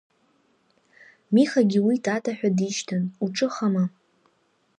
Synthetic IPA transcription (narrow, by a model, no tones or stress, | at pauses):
miχaɡʲiwitʰʼatʰaħᶣʷadiʃtʰanuʈ͡ʂʼɨχama